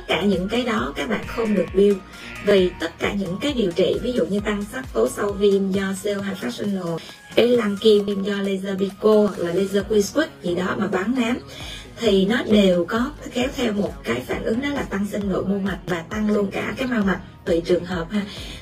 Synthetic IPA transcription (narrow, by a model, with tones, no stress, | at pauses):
t̪t̚kaː˧˩ɲɨ̰˧˥ŋkaː˨˦jɗɔ˨˦kaː˦˥k̚ɓa̰ː˧˨nxə˧wŋ͡mɗɨ˨˩ək̚ɓi˧əw | vi˨˩t̪ə˦˥t̚kaː˧˩ɲɨ̰˧˥ŋkaː˨˦jɗḭ˨˩əwt͡ɕḭ˧˨vi˨˦zṵ˧˨ɲɨ˧t̪a˧ŋsa˦˥p̚t̪o˨˦sa˧wvi˧mzɔ˧se˧whaː˧˨˩jfaː˦˥k̚si˧ŋ̟no̰˧˨ | ka˨˦jla˧ŋki˧mvi˧mzɔ˧le˧zəː˧ɓi˧ko˧laː˨˩le˧zəː˧kwi˧skwi˦˥k̚zḭ˧˨ɗɔ˨˦maː˨˩ɓaː˨˦nnaː˨˦m | t̪ʰi˨˩nɔ˨˦ɗe˨˩wkɔ˨˦xɛ˨˦wt̪ʰɛ˧wmo˨˩t̚kaː˨˦jfaː˧˩nʔɨ˨˦ŋɗɔ˨˦laː˨˩t̪a˧ŋsï˧ŋ̟no̰˧˨jmu˧ma˨˩t̚vaː˨˩t̪a˧ŋlu˧ənkaː˧˩kaː˨˦jmaː˧wma˨˩t̚t̪ɨː˨˩t͡ɕɨ˨˩əŋɦəː˨˩p̚haː˧